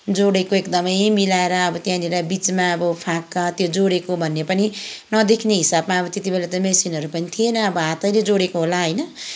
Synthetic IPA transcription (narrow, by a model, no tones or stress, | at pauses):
d͡zoɽekoekd̪ʌmʌjmilaeɾʌːbʌt̪jãniɾabit͡smaʌbʌpʰakːat̪jod͡zoɽekobʱʌnːepʌninʌd̪ekʰneɦisabmaːbʌt̪et̪ibelat̪ʌmesinɦʌɾupʌnit̪ʰienʌːbʌɦãt̪ʌjled͡zoɽekoɦolaɦʌjnʌ